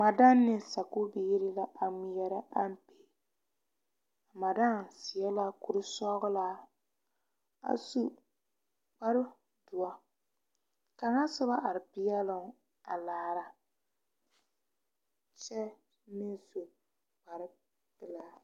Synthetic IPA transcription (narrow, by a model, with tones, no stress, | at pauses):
ma˨da˦nː˦ɪ˦sa˨ku˦bi˦i˦ɾɪ˦la˦ʔa˨mi˨jɛ˦ɾa˦ʔa˦m˦pe̥˨ | a˨ma˨da˦n˨si˨ɛ˦la˦ku˨ɾɪ˦sɔ˦ɡʊ˦la˦ | a̰˨su˦ | k͡pa˦ɾɪ˦ | du˨a˦ | ka˨ŋa˦sʊ˦ba˦ʔa˨ɾɪ˨pɪ˦jɛ˦lʊ˨ŋ˨˦ | a˨laː˨ɾa˨ | t͡ʃɛ˦ | nɪ˦so˨ | k͡pa˨ɾɪ˦ | pɪ˨la˦